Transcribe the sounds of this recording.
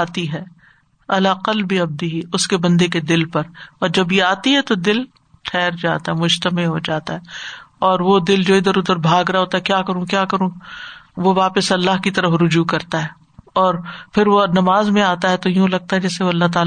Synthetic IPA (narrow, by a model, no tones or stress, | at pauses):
aːt̪iɦɛː | ɐlaːqɐlbiɐb̚d̪ɪɦiʊskebɐ̃nd̪eked̪ɪlpɐɾɔːɾd͡ʒɐbjiaːt̪iɦɛt̪od̪ɪl | tʰɛːɾd͡ʒa̰ːt̪aɦɛmʊd͡ʒt̪əmɪlɦod͡ʒaːt̪aɦɛːɔːɾʋod̪ɪld͡ʒoːɪd̪əɾʊd̪əɾbʱaːɡɾɐaɦoːt̪aɦɛkjaːkɐɾũkjaːkɐɾũʋoʋaːpəsɐlːaɦkit̪ɐɾəfɾʊd͡ʒuːkɐɾt̪aɦɛː | ɔːɾpʰɪɾʋonɐmaːzmẽaːt̪aɦɛt̪ojũlɐɡ̚t̪aɦɛd͡ʒɛːseʋoɐlːaɦt̪̬aː